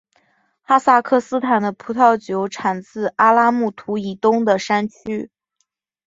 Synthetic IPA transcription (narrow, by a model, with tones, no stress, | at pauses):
xa˥sa˥˧kʰɤ˥˩sɹ̩˥t̪ʰa˨˩nd̪ə˦pʰu˧˥t̪ʰɑ˥˩ʊt͡ɕjo˧˥ʊʈ͡ʂʰa˨˩nt͡sɹ̩˥˩ʔa˥la˥mu˥˩t̪ʰu˧˥i˨˩t̪ʊ˥ŋd̪ə˨ʂa˥nt͡ɕʰy˥